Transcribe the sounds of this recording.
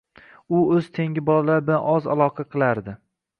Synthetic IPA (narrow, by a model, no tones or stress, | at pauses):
ʊɵz̥t̪ʰe̞ŋʲɪbɒlalaɾbɪlanʔɒza̰lˠɒqʰɑqʰɨlˠaɾd̪ɪ